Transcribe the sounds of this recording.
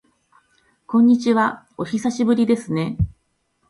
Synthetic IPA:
kõ̞ɲ̟ːit͡ɕiβa | o̞çisaɕibɯ̟ɾʲid̪e̞sɨne̞

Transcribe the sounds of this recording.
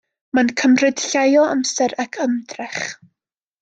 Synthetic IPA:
mankʰəmrɨd̥ɬajɔa̰msɛɾakʰəmdrɛχ

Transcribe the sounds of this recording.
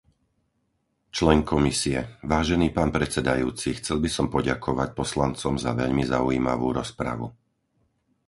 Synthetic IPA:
t͡ʃlɛŋkʰɔmisiɛʋaːʒɛniːpaːnpɾɛt͡sɛd̪ajuːt͡sixt͡sɛlbisɔmpɔɟakʰɔʋac̚pɔslant͡sɔmzaʋɛʎmizaujiːma̰ʋuːɾɔspɾa̰ʋu

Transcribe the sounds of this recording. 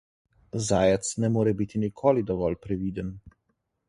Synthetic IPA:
zaːjɛt̪snɛmoːɾɛbit̪inikʰoːlid̪ɔʋɔlpɾɛʋiːd̪ən

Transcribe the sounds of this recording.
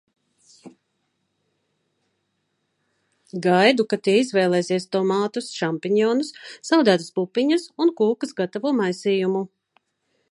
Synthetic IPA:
ɡajd̪ukat̪iːizvɛːlˠɛːsiɛst̪ɔmaːt̪usʃampiɲɔːnusːawd̪æːt̪aspupːiɲɐsunkuːkɐsɡat̪avuːmajsiːjumu

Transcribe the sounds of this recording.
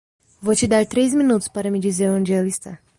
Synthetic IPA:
vot͡ʃid̪aɾʲt̪ɾejzʲmʲinut̪ʊspaɾɐmʲid͡ʒizeɐnd͡ʒealist̪a

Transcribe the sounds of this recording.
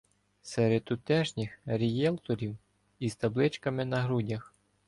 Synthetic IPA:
sɛɾed̪ʊt̪ɛʒnʲɪxɾʲijɛlˠt̪ɔɾʲiw | izt̪ɐblˠɪt͡ʃkɐmɪnɐɦɾudʲɐx

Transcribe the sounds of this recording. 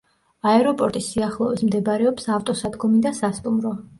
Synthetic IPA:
aɛɾɔpʼɔɾt̪ʼisiaχlˠɔvismd̪ɛbaɾɛɔpsaft̪ʼɔsad̪ɡɔmid̪asast̪ʼumɾɔ

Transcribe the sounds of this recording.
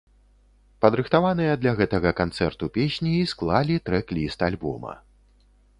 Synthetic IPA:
pɐd̪ɾɨxt̪avanɨjɐd̪lʲɐɣɛt̪ɐɣɐkant̪sɛrt̪upʲesʲnʲiːsklˠalʲit̪ɾɛklʲist̪alʲbɔ̰mɐ̰

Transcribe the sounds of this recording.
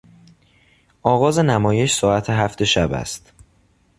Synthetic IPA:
ʔɒːɣɒːze̞næmɒːje̞ʃsɒːæt̪ʰeɦæft̪e̞ʃæbæ̰st̪

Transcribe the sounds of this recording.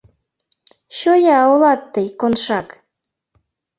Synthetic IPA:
ɕojɑolɑt̪ːɤjkonʃɑk

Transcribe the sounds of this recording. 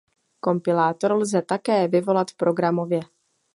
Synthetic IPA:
ko̞mpɪlaːt̪o̞ɾlzɛt̪akɛːvɪvo̞lat̪fpɾo̞ɡɾamo̞vjɛ

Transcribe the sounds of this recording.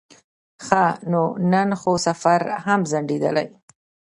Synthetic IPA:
xanonanxosafaɾhamzaɳɖed̪ə̰la̰j

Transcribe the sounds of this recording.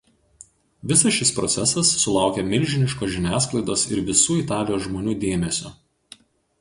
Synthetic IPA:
ʋʲɪsɐsʃʲɪspɾɔt̪sʲɛsɐsːʊlˠɑˑʊkʲemʲɪɾʲʒʲɪnʲɪʃkoːʒʲɪnʲæːsklˠɐɪd̪oːsɪɾʋʲɪsuːɪt̪ɑːlʲɪjoːsʒmoːnʲuːd̪ʲeːmʲɛsʲo̰ː

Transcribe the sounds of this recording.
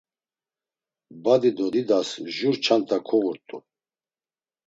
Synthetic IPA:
bad̪id̪ɔd̪id̪asʒuɾt͡ʃʰant̪ʰakʰɔɣuɾt̪ʼu

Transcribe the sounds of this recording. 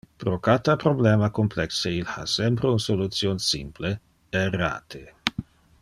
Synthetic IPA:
pɾokat̪apɾoblɛːmakomplɛkseilha̰sɛmpɾeunsolut̪sjoːnsḭmple | era̰ːt̪ʰe

